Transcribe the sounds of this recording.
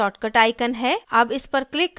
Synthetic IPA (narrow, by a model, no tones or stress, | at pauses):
ɔːʈkəʈaːɪkənɦɛːɐbɪspɐɾklɪkː